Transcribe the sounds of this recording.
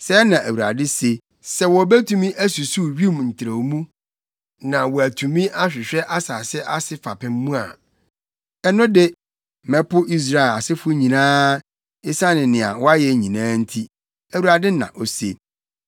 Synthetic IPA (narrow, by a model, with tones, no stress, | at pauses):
sɛ˦nã˨ʔæ˨wu˨a̰˨dɪ˦se˦ | sɛ˨wɔ˨bæ˦tʰũ˨mĩ˦ʔæ˦su˨su˦ɥi˦mn̩˨tʰɪ˨ɾa˨mũ˦ | nã˨wɔ˨æ˨tʰũ˨mĩ˦ʔa˦ɕᶣɪ˨ɕᶣɛ˦ʔa˦saː˨sɛ˦ʔa˦sɪ˦fa˨pʰɪ̃˦m̩˦mũ˦a̰˨ | ɛ˨nʊ̃˦dɪ˦ | mɛ̃˦pʰʊ˦ʔi˦s̬ɾa˦˨a˨sɪ˦fʊ˦ɲĩ˨nãː˦ | ɪ˦sa˦nɪ̃˨nɪ̃˨a̰˨wɔ˦a˦jɛ˨ɲĩ˨nãː˦n̩˦tʰi˦ | æ˨wu˨ɾa˨dɪ˦nã̰˨ʔo˨sḛ˦